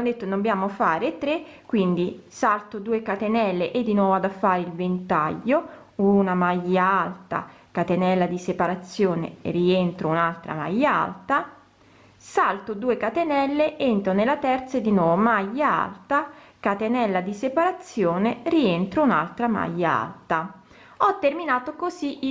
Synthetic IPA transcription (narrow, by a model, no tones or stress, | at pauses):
od̪et̪ːonombjaːmofaːɾet̪ːɾekːwind̪isalt̪od̪uːekat̪enɛlːeʔed̪ːinwɔːvoad̪afːaːɾeilvent̪a̰ʎːo | unamajːaalt̪a̰ | kat̪enɛlːad̪isepaɾat̪sːjoːnḛrient̪ɾounalt̪ɾa̰ma̰jːaa̰lt̪a | salt̪od̪uːekat̪enɛlːeʔent̪ɾonelːat̪ɛrt̪saed̪ːinwɔːvomajːaa̰lt̪akat̪enɛlːad̪isepaɾat̪sːjoːnerient̪ɾouna̰lt̪ɾama̰jːaa̰lt̪a | ɔt̪ːerminaːt̪okoziʔ